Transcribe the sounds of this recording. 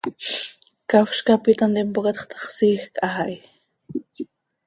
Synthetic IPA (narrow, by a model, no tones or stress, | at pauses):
kawʃkapit̪ant̪impoqet̪χt̪ʰɑ̥χsiːxkʔahaj